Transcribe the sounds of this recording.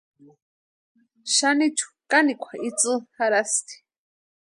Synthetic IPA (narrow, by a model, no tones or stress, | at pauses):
ʃanit͡ʃʰu̥kanikʷʰait͡sʼɨhaɾast̪i̥